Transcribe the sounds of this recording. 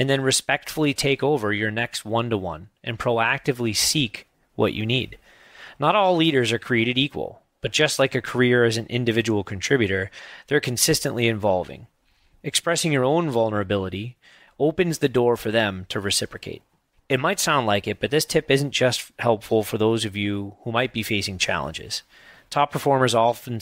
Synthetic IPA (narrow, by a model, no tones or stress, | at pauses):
ɨ̃nðɨ̃nɹɨspɛk̚tfl̩ˠitʰeɪkoʊvə˞jə˞nɛkst̚wʌ̃ntəwʌ̰̃nʔɨ̰̃npʰɹ̥oʊæk̚tɨvlisik | wʔʌ̰t͡ʃɨ̰nḭd | nəɾɔlˠliɾə˞zə˞kʰɹ̥ieɪɾɨɾikwə̰lˠ | b̥ʌt̚d̥ʒ̥ʌstˡlaɪkɨkʰə˞ɪɹɨzɨ̃nʔɪ̰̃ndɨvɪd͡ʒəwl̩ˠkʰɨ̃ntʰɹ̥ɪbjʉɾə˞ðə˞kʰɨ̃nsɪstɨ̃nʔliɨ̃ɱvɑlˠvɪ̰̃ŋ | ɨkspɹɛsɪ̃ŋjə˞õʊ̃nvʌlˠnə˞ɨbɪlˠəɾi | oʊpɨ̃nzðɨdɔɹfə˞ðɨ̃mtʰɨɹɨsɪpɹɨkʰḛɪɾ̚ | ɨt̚maɪtsãʊ̃ndlaɪkɨt̚b̥ʌt̪̚ðɪstʰɪpɪz̃n̩d̥ʒ̥ʌsthɛlˠpfl̩ˠfə˞ðoʊzʌvjʉhumaɪt̚b̥ifeɪsɪ̃ŋt͡ʃʰæ̰lˠə̰̃nd͡ʒɪ̰z̥ | tʰɑpʰə˞fɔɹmə˞zɔfn̩